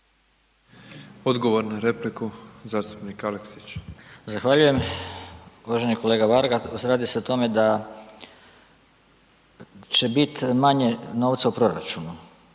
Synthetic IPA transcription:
o̞d̪ɡo̞ʋoɾnaɾeplikuzaːst̪u̥pnikaleksi̥t͡ɕzaxʋaʎuje̞m | uʋaʒe̞niko̞leːɡaʋaɾɡauzɾaːd̪iseot̪o̞me̞d̪a | t͡ʃe̞bit̪maɲe̞no̞ːʋt̪saupɾo̞ɾa̰t͡ʃunu

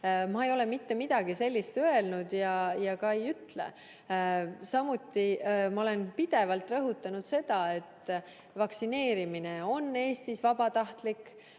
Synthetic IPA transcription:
mɑe̞jo̞le̞mit̪ːe̞mid̪̥ɑɡ̥ise̞lʲːist̪ø̞e̞lnud̪̥jɑjɑkɑejyt̪ːlḛ | sɑmut̪ːimɑo̞le̞npid̪̥e̞vɑlt̪ˑrɤɦut̪ːˑɑnud̪̥se̞d̪̥ɑe̞t̪ːˑ | vɑksine̞ːɾimine̞o̞nːe̞ːst̪isvɑbɑt̪ɑht̪likːˑ

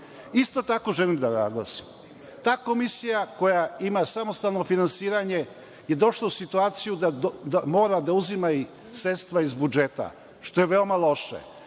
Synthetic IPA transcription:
ist̪o̞t̪ako̞ʒelimd̪ana̰ɡlˠa̰sim | t̪aːko̞misijako̞jaimasamo̞st̪alˠno̞finansiːɾaɲe̞ | je̞d̪o̞ʃlˠausit̪uaːt̪sijud̪ad̪amo̞ːɾad̪auzimai | sɾet̪st̪ʋaizbud͡ʒet̪a̰ | ʃt̪o̞jeʋeomalo̞ʃa̰

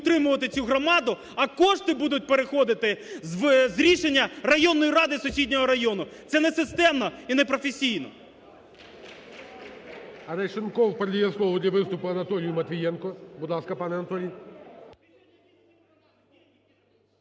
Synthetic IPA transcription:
t̪ɾɪmʊʋɐt̪ɪt͡sʲuɦɾɔmɑd̪ʊ | ɐkɔʃt̪ɪbud̪ʊt̚ʲpeɾexɔd̪ɪt̪ɪzʋzɾʲiʃenʲːɐrɐjɔnːɔjiɾɑd̪ɪsʊsʲidʲnʲɔɦɔɾɐjɔnʊt̪sɛnɛsɪst̪ɛmnɔinɛpɾɔfesʲijnɔ̰ | ɐɾɛjʃɪnkɔwpɐɾd̪ʲijɛslˠɔʋɔd̪ʲlʲɐʋɪst̪ʊpʊɐnɐt̪ɔlʲɪjʊmɐt̪ʋʲijɛnkɔbud̪lˠɑskɐpɑnɛɐnɐt̪ɔlʲij

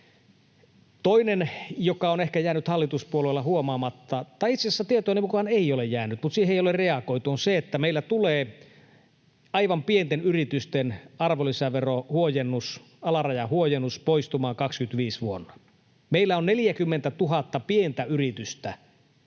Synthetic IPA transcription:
t̪oinenjokɑonehkæjæːnyt̪hɑlːit̪uspuolelːɑɦuomɑːmɑt̪ːɑt̪ɑiit̪sesːæt̪iet̪ojnemukɑneijolejjæːnyt̪mut̪siːheijolerreɑkoit̪uonseet̪ːæmeilːæt̪uleː | ɑiʋɑmpient̪enyrit̪yst̪enɑrʋolisæʋerohuojenːus | ɑlɑrɑjɑhuojenːuspoist̪umɑːŋkɑkskyt̪ʋiːsʋuonːɑ | meilːæonnelijækymːent̪æt̪uɦɑt̪ːɑpient̪æyrit̪yst̪æ

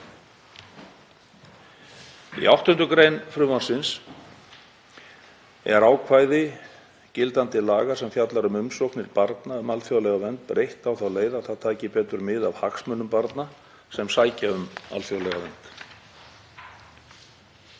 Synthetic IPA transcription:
ḭawht̪ʏnt̪ʏkɾejnfɾʏːvansɪns | ɛ̰ɾaːwkʰvaːjðɪ | cɪlt̪ant̪ɪlaːɣḁsɛmfjat̪laɾʏmʏmsowknɪɾpaɾt̪naʏmalfjowlɛɣavɛnt̪̚pɾejht̪awθawleːjðaθaðt̪ʰaːcɪpɛːt̪ʏɾmɪðavhaksmœnːʏmpaɾt̪na | sɛmsaːjcaʏma̰lfjowlɛɣavɛnt̪

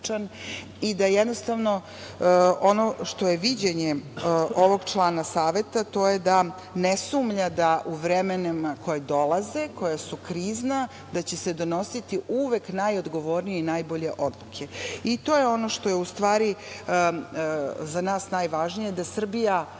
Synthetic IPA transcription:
t͡ʃan | id̪ajed̪nost̪aʋno̞ | o̞no̞ʃt̪o̞je̞ʋid͡ʑeɲeʔo̞ʋo̞ɡt͡ʃlˠaːnasaːʋe̞t̪at̪o̞ːjed̪a | nesuːmʎad̪aʔuʋɾemenemakʰo̞jed̪o̞lˠaze̞ko̞jasukɾiːzna | d̪at͡ɕesed̪o̞no̞sit̪iʔuʋe̞knajo̞d̪ɡo̞ʋo̞ɾnijeinajbo̞ʎe̞ʔo̞d̪lˠukʰe̞it̪o̞ːjeo̞no̞ʃt̪o̞jeust̪ʋaːɾi | zanaːsnaːjʋaʒnije̞d̪asr̩bija

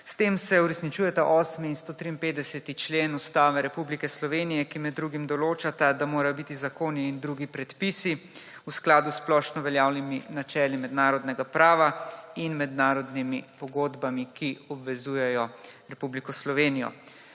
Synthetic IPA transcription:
st̪eːmsɛuɾɛsnit͡ʃuːjɛt̪aʔɔːsmiːnst̪oːt̪ɾiːnpeːd̪d̪ɛsɛt̪it͡ʃleːnust̪aːʋɛɾɛpublikɛslɔʋeːnijɛkimɛd̪ːɾuːɡimd̪ɔloːt͡ʃat̪ad̪amoːɾajɔbit̪izakoːniːnd̪ɾuɡipɾɛt̪pisi | usklaːd̪usplɔːʃnɔʋɛljaːwniminat͡ʃɛːlimɛd̪naːɾɔd̪nɛɡapɾaːʋainmɛd̪naːɾɔd̪nimipɔɡoːd̪bamikiɔbʋɛzuːjɛjɔɾɛpublikɔslɔʋeːnijɔ̰

